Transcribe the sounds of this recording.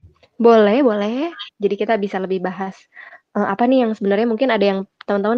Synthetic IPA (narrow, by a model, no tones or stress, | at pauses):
bolɛhbolɛd͡ʒadikit̪abisaləbɪhbaɦas | ʔəmapanijaŋsəbənarɲamuŋkɪnadajaŋt̪amʊnt̪aʊn